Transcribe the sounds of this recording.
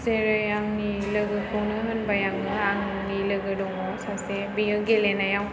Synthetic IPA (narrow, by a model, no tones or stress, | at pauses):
seɾɯjaŋnilɯɡɯkʰɯwnɯɦɯnbajaŋnɯaŋ | nilɯɡɯdɔŋɔsasebijɯɡelenajaw